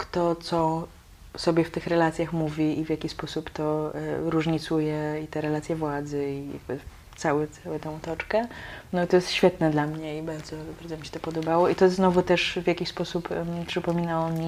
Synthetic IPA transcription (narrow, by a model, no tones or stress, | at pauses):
kt̪ɔt̪sɔ | sɔbʲjɛft̪ɘxɾɛlat̪sʲjaxmuvʲiivʲjakʲispɔsupt̪ɔɾuʐɲit̪sujɛit̪ɛɾɛlat̪sʲjɛvwad̪zɘija̰ɡ̚bɘ | t̪sawɛt̪sawɛt̪ɛ̃w̃ut̪ɔt͡ʂkɛnɔit̪ɔjɛst̪ɕfʲjɛt̪nɛd̪lamɲɛibaɾd̪zɔbaɾd̪zɔmʲiɕɛt̪ɔpɔd̪ɔbawɔit̪ɔznɔvut̪ɛʂvʲjakʲiɕspɔsuppʂɘpɔmʲinawɔmʲi